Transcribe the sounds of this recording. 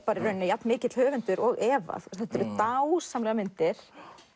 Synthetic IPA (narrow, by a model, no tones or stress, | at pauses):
paɾɪɾœɥnːɪjat̪mɪːcɪt̪l̥hœːvʏnt̪ʏɾɔɣɛːva̰θst̪θɛht̪ɛɾʏt̪awsamlɛɣamɪnt̪ɪɾ̥